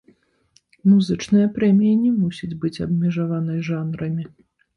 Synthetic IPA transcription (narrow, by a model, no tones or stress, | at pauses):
muzɨt͡ʂnɨjɐpɾɛmʲijinʲɛmusʲid͡zʲbɨt͡sʲɐbmʲɛʐavanɐjʐanɾɐmʲi